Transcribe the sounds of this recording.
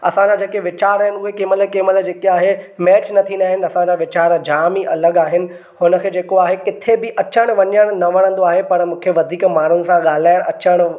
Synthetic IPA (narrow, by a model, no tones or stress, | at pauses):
ɐ̰sãɲd͡ʑad͡ʑeːkeʋɪt͡ɕaːɾaːɦɪnɪ̆uɦekɪːməlekɪːməld͡ʑeːkeaːɦemɛːt͡ɕnɐt̪ʰĩnd̪aːɦɪnɪ̆ɐsãd͡ʑaʋɪt͡ɕaːɾd͡ʑaːmiʔɐləɠaːɦɪnɪ̆ | hʊnə̆kʰeːd͡ʑeːkoaːɦekɪt̪ʰebɪʔɐt͡ɕəɽ̃ʋɐɲəɽ̃nɐʋɐɽə̃nd̪oaːɦepɐɽmũːkʰeʋɐd̪ʱiːkmaːn̤ʊnɪ̆sãɠaːl̤aːɪɽ̃ɐt͡ɕəɽ̃